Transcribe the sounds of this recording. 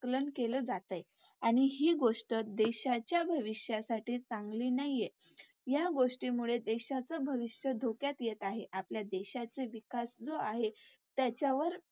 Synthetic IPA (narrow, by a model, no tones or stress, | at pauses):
klənkeləd͡zat̪aj | aɽ̃iɦiːɡoʂʈət̪̚d̪eɕat͡ɕjabʱəʋiɕjasaʈʰiːt͡saŋɡliːnajje | jaɡoʂʈiːmuɭed̪eɕat͡səbʱəʋiɕjəd̪ʱokjat̪jet̪aɦeʔapljad̪eɕat͡seʋikasd͡zoaɦe | t̪jat͡ɕjaʋəɾ